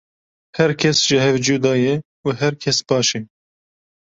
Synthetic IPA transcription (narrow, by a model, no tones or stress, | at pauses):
hɛɾkʰɛsʒ̥ɪɦɛvd͡ʒuːd̪ɑːjɛ | uɦɛɾkʰɛsb̥ɑːʃɛ